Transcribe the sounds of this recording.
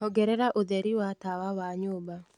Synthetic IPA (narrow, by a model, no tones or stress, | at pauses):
hɔɡɛɾɛɾaʔoðɛɾiwatawawaɲoba